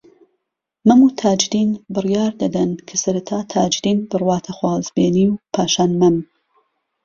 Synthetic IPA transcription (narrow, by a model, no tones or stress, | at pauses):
mɐmuːt̪ʰaːd͡ʒd̪iːnbɨrjaːɾd̪ɐd̪ɐnkʰɐsɐɾɐt̪ʰaːt̪ʰaːd͡ʒd̪iːnbɨrwɑːt̪ʰɐxwɑːzbeːniːwpʰaːʃaːnmɐm